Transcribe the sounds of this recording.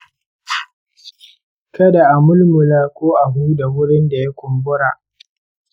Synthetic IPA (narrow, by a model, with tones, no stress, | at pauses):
kɐ˦da˨ʔa˨mʊ˦lmʊ˨laː˦kʷoː˦ʔa˨ɦuː˦da˨wʊ˦ɽɪ˦nda˨ja˦kʷʊ˨mbʊ˦ɽa˨ʔ